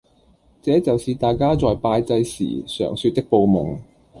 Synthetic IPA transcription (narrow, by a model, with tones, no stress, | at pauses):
t͡sɛː˨˥t͡sɐ˨wsiː˨t̪aː˨jkaː˥t͡sɔː˨jpaː˧jt͡sɐ˧jsḭː˨˩sœ̰ː˨˩ŋsyː˧t̚t̪ɪ˥k̚po˨˧wmʊ˨˩ŋ